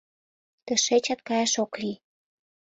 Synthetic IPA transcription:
t̪ə̆ʃet͡ɕɑt̪̚kɑjɑʃokli

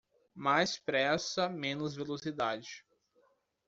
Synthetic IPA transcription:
majspɾɛsɐmẽnʊzvelosid̪ad͡ʒɪ

